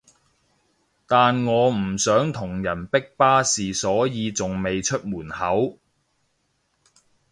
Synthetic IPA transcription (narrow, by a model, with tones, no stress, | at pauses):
t̪aː˨nŋɔː˨˧m̩˨˩sœː˨˥ŋt̪ʰʊ˨˩ŋjɐ˨˩npɪ˥k̚paː˥siː˨sɔː˨˥jiː˨˧t͡sʊ˨ŋme˨jt͡ʃʰɵ˥t̚muː˨˩nhɐ˨˥w